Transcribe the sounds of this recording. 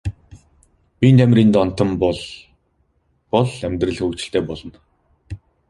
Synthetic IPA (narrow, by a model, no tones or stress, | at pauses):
pint̪ʰæmʲriːnt̪ɔn̥t̪ə̆mpɔɮ | pɔɮæmʲt̪rɘ̆ɮxuːkt͡ɕɪ̆ɬt̪eːpɔɮɞ̆n